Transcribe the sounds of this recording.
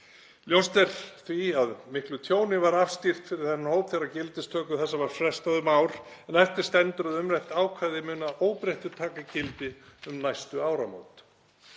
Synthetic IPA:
ljowst̪ɛɾ̥θviaðmɪhklʏt̪ʰjoːwnɪvaɾafst̪ir̥t̪fɪɾɪɾ̥θɛnːɪhoːwpθɛɾacɪlt̪ɪst̪ʰœːkʏθɛsːavaɾ̥fɾɛst̪aðʏmaːwɾ̥ | ɛnɛft̪ɪɾ̥st̪ɛnt̪ɾʏðʏmɾɛht̪aːwkʰvaðɪmʏːnaʔoːwpɾɛjht̪ʏɾt̪ʰaːkacɪlt̪ɪʏmnajst̪ʏaːwɾamo̰ːwt̪

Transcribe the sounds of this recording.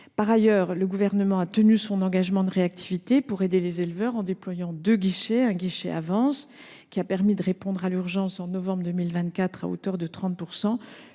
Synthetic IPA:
paʁajœːʁləɡuvɛʁnəmɑ̃at̪ənysɔ̃nɑ̃ɡaʒmɑ̃d̪əʁeak̚t̪ʰivit̪epuʁed̪elezelvœʁɑ̃d̪eplwajɑ̃d̪øɡiʃeɛ̃ɡʲiʃɛ̰a̰vɑ̃s | kʲiapɛʁmid̪əʁepɔ̃d̪ʁalyʁʒɑ̃sɑ̃nɔvɑ̃bʁd̪ømilvɛ̃t̪kʲat̪χa̰o̰t̪œʁd̪ət̪χɑ̃t̪̚puʁsɑ̃

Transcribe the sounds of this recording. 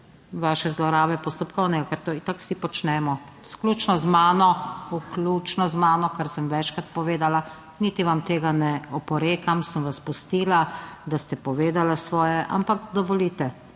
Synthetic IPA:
ʋaːʃɛzlɔɾaːʋɛpɔst̪ɔpkɔwnɛɡakaɾt̪ot̪akw̥sipɔt͡ʃnɛmɔ | skluːt͡ʃnɔzmaːnɔuklut͡ʃnɔzmaːnɔkaɾsəmʋɛt͡ʃkɾat̪̚pɔʋeːd̪ala | niːt̪iʋamt̪eːɡanɛɔpɔɾeːkamsəmʋaspust̪iːlad̪ast̪ɛpɔʋeːd̪alasʋɔːjɛʔa̰mpakd̪ɔʋɔlit̪ɛ

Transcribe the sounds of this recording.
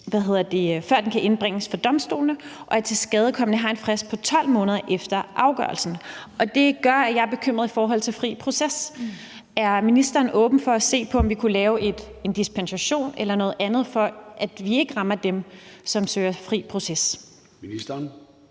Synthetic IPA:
ʋæɦe̝ð̞̰ˠɐd̥e̝fɶɐd̥enkʰæʔe̝nb̥ʁɛŋ̰əsfɒ̽d̥ɒ̽msd̥o̝̰ːlnəʔɒ̽æɐt͡sʰe̝lsɡ̥ɛːð̞ˠkʰɒ̽mənəɦɑ̈e̝nfʁɛspʰɒ̽t͡sʰɒ̽l̰mɔ̽ːnəð̞ˠɐʔefd̥ɐʔɑ̈ʊɡ̥ɶɐlsn̩ʔɒ̽d̥e̝ɡ̥ɶɐ̰æjɑ̈ɪb̥e̝kʰøm̰ʁɐðˠifɒːɦɒ̽l̰t͡sʰe̝lfʁḭːpʰʁo̝ses | æɐminisd̥ɐːnʔɔ̽ːb̥n̩fɒ̽æse̝̰ːpʰɒ̽ɒ̽mʋikʰulɛːʊʔe̝d̥end̥ispʰensæɕo̝̰ːnelɐnɔ̽ːð̞̩ˠʔænð̞̩ˠfɒ̽ʔæd̥ʋie̝ɡ̥əʁɑ̈mɐd̥emsɒ̽msøːɐfʁḭːpʰʁo̝ses | miid̥ɐn

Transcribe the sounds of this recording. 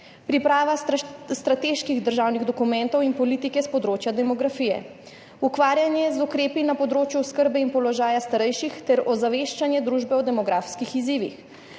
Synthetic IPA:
pɾipɾaːʋast̪ɾat̪eʃkiɣd̪əɾʒaːwniɣd̪ɔkumɛnt̪ɔwinpɔliːt̪ikɛspɔd̪ɾoːt͡ʃjad̪ɛmɔɡɾafijɛ̰ | ukʋaːɾjanjɛzukɾeːpinapɔd̪ɾoːt͡ʃjuskəɾbɛinpɔlɔʒaːjast̪aɾɛjʃixt̪ɛɾɔzaʋeʃt͡ʃanjɛd̪ɾuːʒbɛɔd̪ɛmɔɡɾafskixiziːʋḭx

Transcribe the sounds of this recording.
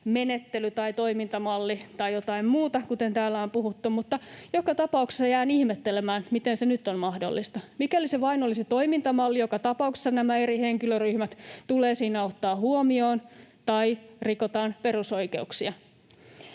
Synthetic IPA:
menet̪ːelyt̪ɑit̪o̞imint̪ɑmɑlːit̪ɑjot̪ɑimmuːt̪ɑkut̪ent̪æːlːæompuɦut̪ːummut̪ːɑjokɑt̪ɑpɑukse̥sːɑjæːnihmet̪ːelemæːnmit̪ensenyt̪ːonmɑhdo̰lːist̪ɑmikæliseʋɑinoliset̪o̞imint̪ɑmɑlːijokɑt̪ɑpɑukse̥sːɑnæmæeɾiheŋkiløryhmæt̪t̪uleːsiːnæot̪ːɑːhuomio̞ːnt̪ɑirikot̪ɑːnpe̞rusoike̞uksiɑ

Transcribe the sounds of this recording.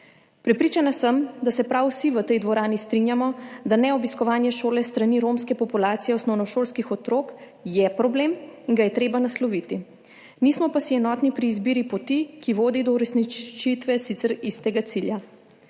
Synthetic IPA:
pɾɛpɾiːt͡ʃanasəmd̪asɛpɾawsiʋət̪ɛjd̪ʋɔɾaːnist̪ɾinjamɔd̪anɛɔbiskɔʋaːnjɛʃoːlɛst̪ɾaniɾomskɛpɔpulaːt̪sijɛɔsnɔwnɔʃoːlskixɔt̪ɾoːk | jɛpɾɔbleːmiŋɡajɛt̪ɾeːbanaslɔʋit̪i | niːsmɔpasiɛnɔːt̪nipɾiːzbiːɾipɔt̪ikiʋoːd̪id̪ɔuɾɛsnit͡ʃt͡ʃit̪ʋɛsit̪sɛɾist̪ɛɡat̪silja

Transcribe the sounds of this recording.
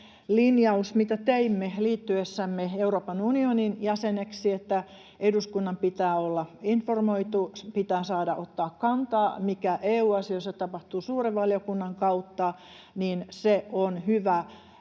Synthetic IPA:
linjɑusmit̪æt̪eimːeliːt̪ːyesːæmːeeuroːpɑnunioninjæseneksiet̪ːæ | eduskunːɑmpit̪æːolːɑinformoit̪uspit̪æːsɑːdɑʔot̪ːɑːkkɑnt̪ɑːmikæʔeːuːɑsiosːɑt̪ɑpɑht̪uːsuːreʋʋɑljokunːɑŋkɑut̪ːɑ | niːnseonhyʋæ

